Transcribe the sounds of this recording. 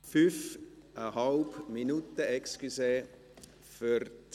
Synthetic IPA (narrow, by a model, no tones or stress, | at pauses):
fyfʔəɦɑlbminut̪əɛkskyse | fyɾt